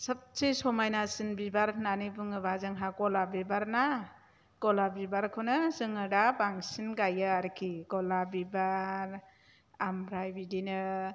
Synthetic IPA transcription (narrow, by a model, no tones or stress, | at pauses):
sap̚sesɔmajnasɯnbibaɾnanibɯŋɯbazɯŋɦakɔlabibaɾna | ɡɔlabibaɾkʰɯnɯzɯŋɯdabaŋsinɡajaaɾkʰiɡɔlabibaɾ | amɾajbidinɯ